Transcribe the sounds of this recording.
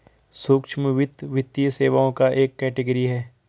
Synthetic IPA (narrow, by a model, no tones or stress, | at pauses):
soːkʃʰməʋɪt̪ːʋɪt̪ːijseːʋaõkaʔeːkːɛːʈɪɡəɾiɦɛː